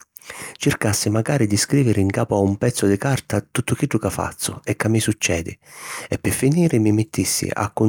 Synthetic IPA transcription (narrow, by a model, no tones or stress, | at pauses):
t͡ʃɪrkasːɪmaɡaːɾɪd̪ɪskɾiːvɪɾɪiŋkaːpʊaumpɛt̪sːʊd̪ɪkart̪at̪ut̪ːʊk̟iɖːʊkafːa̰t̪sːʊɛkːamːisut͡ʃːɛːd̪ɪ̰ɛpːɪfːiniːɾɪmimɪt̪ːisːḭʔa̰kːʊ